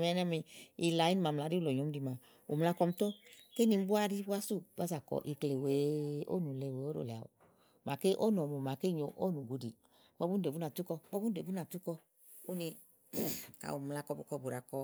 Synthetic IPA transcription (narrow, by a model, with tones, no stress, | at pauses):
ɛ˨˧˦nɛ˦mi˧i˧la˨˦i˦n˧ma˨m̩˨la˨ɾi˦u˦lo˨ɲo˨˦di˧˨ma˨ | ṵ˨m˧la˧kɔ˧m˦to˦ke˦ni˧m̩˦bu˦a˦˧ɾi˦ba˦su˦˨ba˦za˨kɔ̰˨ʔi˧kle˨we˨˦o̰˦nu˨le˧˨we˨˦o˦ɾo̰˨le˨a̰˨o̰˨ | ma˨ke˦ʔo˦no˨mu˨ma˨ke˦˨ɲo˧˨ʔo˦nu˨ɡu˨˦di˨ | bɔ˧˦bu˦n˦de˨u˦na˨tu˦kɔ˧bɔ˦u˦n˦de˨bu˦na˨tu˦kɔ˧ | o˦ni˧˨ | ka̰˨u˨m˧la˧kɔ˧bu˧˦kɔ˧˨bu˨ɾa˨kɔ˧